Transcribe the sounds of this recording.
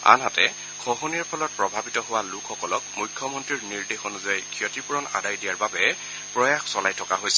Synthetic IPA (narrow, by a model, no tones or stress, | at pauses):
a̰nɦatɛ | kʰɔɦoniɹpʰɔlɔt̚pɹɔbʱabitɔɦʊwalʊkʰːɔkɔlɔkmujkʰːjɔmɔntɹiɹniɹdexonuzajkʰijɔtipuɹɔna̰dajdijaɹbabɛ | pɹɔjaxsɔlajtʰɔkaɦojsɛ̥